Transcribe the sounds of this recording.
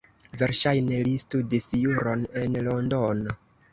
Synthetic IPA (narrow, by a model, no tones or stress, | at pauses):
ve̞ɾʃajne̞listudisjuɾo̞ne̞nlondono